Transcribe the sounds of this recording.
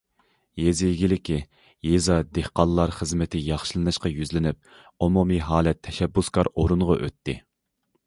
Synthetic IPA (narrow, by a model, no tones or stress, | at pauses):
jezɪjɡʲilɪkʲʰi | jezɑd̪ehqɑnˠlˠɑɾχəzmɪt̪ʰɪjɑχʃɨlˠɨnɨʃqɑjyzlɪnɪp̚ | omumiɦɑːlɛt̪ʰːɛʃɛbːuskʰɑɾoɾunʁɑ̰ʔø̰t̪ʰːɪ